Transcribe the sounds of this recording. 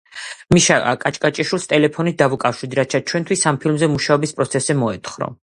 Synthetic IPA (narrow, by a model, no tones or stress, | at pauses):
miʃaa̰kʼat͡ʃʼkʼat͡ʃʼiʃulˠst̪ʼɛlɛpʰɔnid̪avukʼafʃid̪iɾat̪̚t͡ʃʰat͡ʃʰwɛnt̪ʰwisampʰilmzɛmuʃaɔbispʼɾɔt̪sʰɛsɛmɔɛt̪ʰχɾɔ̰